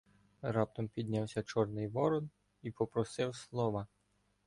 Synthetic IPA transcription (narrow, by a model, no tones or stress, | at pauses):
ɾɑp̚t̪ɔmpʲid̪ʲnʲawsʲɐt͡ʃɔrnɪjʋɔɾɔd̪ | ipɔpɾɔsɪwslˠɔʋɐ